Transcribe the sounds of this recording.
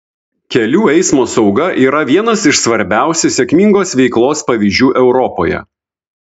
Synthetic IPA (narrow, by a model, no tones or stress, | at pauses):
kʲɛlʲuːɛɪsmoːsɒʊɡɐʔiːɾɐʋʲiɛnɐsɪʃsʋɐɾʲbʲæˑʊsʲusʲɛkmʲiŋɡoːsʋʲɛɪklˠoːspɐʋʲiːʒʲd͡ʒʲuːʔɛʊɾɔpoːjɛ̰